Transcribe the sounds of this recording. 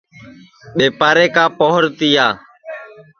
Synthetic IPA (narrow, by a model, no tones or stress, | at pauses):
ɓeːpaːɾeːkaːpoːɦɾt̪ijaː